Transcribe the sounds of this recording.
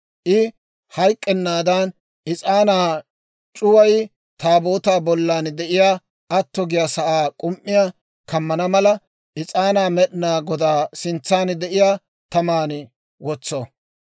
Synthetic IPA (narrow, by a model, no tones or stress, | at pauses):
ʔɪ | hɐjkʼːɛnːaːd̪ɐn | ʔɪt͡sʼaːnaː | t͡ʃʼʊwɐj | t̪aːboːt̪aːbɔlːaːnd̪ɛʔɪjaː | ʔɐt̪ːɔɡɪjasɐʔaːkʼʊmʔːɪja | kɐmːɐnɐmɐlɐ | ʔɪt͡sʼaːnaːmɛɗɪnaːɡɔd̪aːsɪnt͡sːaːnd̪ɛʔɪjaː | t̪ɐmaːn | wɔt͡sːo